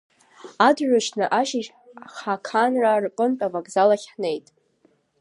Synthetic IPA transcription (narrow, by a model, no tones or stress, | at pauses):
adʕʷᶣʊʃnɨʔaʃiʃ | χakʰanrarqʼɨntʼavaɡzalaχʲħne̞jtʼ